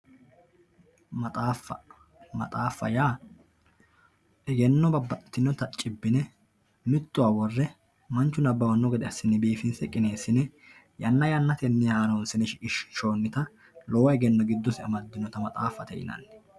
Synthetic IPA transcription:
mɐt̪ʼaːfɐ | mɐ̰t̪ʼaːfːɐ̰jaː | ɛɡɛnːɔbɐbɐt̪ːɪnɔt̪ɐt͡ʃʼɪbːɪnɛ | mɪt̪ːʊwawɔrːɛ | mɐnt͡ʃːʊnɐbːɐwɐnːɔɡɛd̪ɪɐsːɪnːɛbiːfɪnsɛkʼːɪne̞ːsːɪnɛ | jɐnːɐjɐnːɐt̪ɛnːɪjaːɾɐwnsɪnɛʃɪɪʃʃo̞ːnːɪt̪ɐ | lɔwɛɡɛnːɔɡɪd̪ːɔsɪɐmɐd̪ːɪnɔt̪ɐmɐt̪ʼaːfːɐt̪ɛ̰ʔɪ̰nɐ̰nːɛ

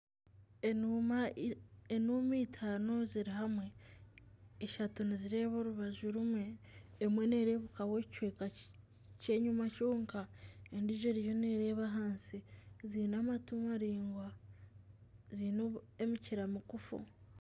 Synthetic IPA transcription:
aenuːmiːtʰaːno̞ziɾiɦamwe̞ː | ʃatuniziɾe̞ːβo̞ɾuβaʒuɾumwe̞ːmwe̞ne̞ːɾe̞ːβukawe̞ːcicwe̞ːka | ce̞ɲumacoːŋkaendiʒoɾijo̞ne̞ːɾe̞ːβaɦaːnsiziːnamatumaɾiːŋɡwa | zinoemiciɾamikufṵ

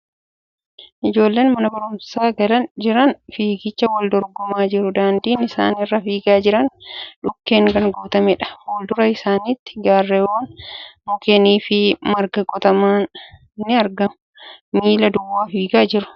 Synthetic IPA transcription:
ʔɪd͡ʒo̞ːlːeːnmɐnɐbɐɾʊmsaːɡɐlɐnd͡ʒɪɾɐnfiːɡɪt͡ʃːɐwɐld̪ɔɾɡɔmaːd͡ʒɪɾʊd̪aːnd̪iːnɪsa̰ːnɪrːɐfiːɡaːd͡ʒɪɾɐnᶑʊkːeːŋɡɐŋɡoːt̪ɐmɛᶑɐ̥wɔld̪ʊɾɐɪsaːnit̪ːɪ̥ɡaːrːɛhoːnmʊkeːniːfɪmɐɾɡɐkʼɔt̪ɐmaːn | nːɪɐɾɡɐmʊmiːlɐd̪ʊwːaːfiːɡaːd͡ʒɪɾʊ̥

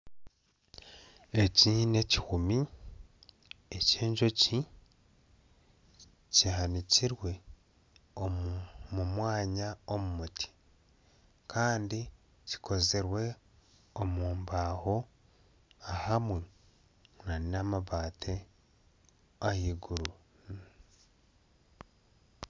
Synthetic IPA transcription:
e̞cine̞ci̥humi | ece̞ːɲʒo̞ci | ciɦaniciɾwe̞ | ommumwaːɲaomumutʰi̥ | kʰaːndi | ci̥kʰo̞ze̞ɾwe̞ | omuːmbaho̞ | ahamwe | naninamaβaːtʰe̞ | ahiːɡuɾu

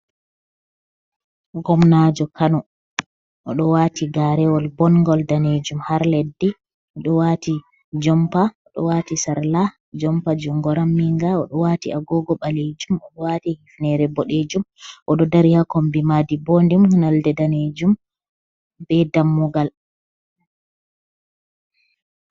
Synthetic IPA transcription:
ɡɔmnad͡ʒɔkʰanɔ | ʔɔɗɔwatiɡaɾɛwɔlbɔnŋɡɔldaned͡ʒumhaɾledːi | ɔɗɔwati | d͡ʒɔmpaɔɗɔ̰watisaɾla | d͡ʒɔmpad͡ʒuŋɡɔɾamːiŋɡaɔɗɔwatiaɡɔɡɔɓaled͡ʒumɔɗɔwatihifnɛɾɛbɔɗed͡ʒumʔɔɗɔdaɾihakombimadibondimhnaldɛdaned͡ʒum | b̥ɛdamːuɡal

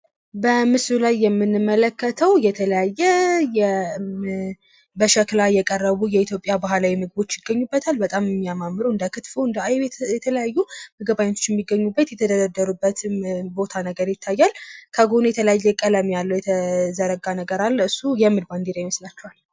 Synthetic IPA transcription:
bəmɨslulajːɛmːɨnːɨmːələkːət̪ʰəwjɛt̪ʰələjajːɛjɛ | bəʃɛklajɛkʼərːəβujɛit̪jo̞pʼjabaɦlawimɨɡɨbo̞t͡ʃːjɪɡːəɲːubːət̪ʰalbət̪ʼamjɛmːijamamːɨɾuɨnd̪əkʰɨt̪fuɨnd̪əajjɛt̪ʰələjajːumɨɡɨβaɲt̪ʰot͡ʃːjɛmːiɡːəɲːubːət̪jɛt̪ʰəd̪əd̪əd̪ːəɾubːət̪bo̞t̪ʰanəɡəɾjɪt̪ʰːajːalkʰəɡonjɛt̪ʰələjajːɛkʼələmjalːəwjɛt̪ʰəzəɾəɡanəɡəɾalːɨsːujɛmːɨlband̪eɾajməslat͡ʃːɛwal

